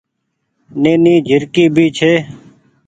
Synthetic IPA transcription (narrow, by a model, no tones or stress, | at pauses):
neːniːd͡ʒʱɪɾkiːbʱiːt͡ʃʰeː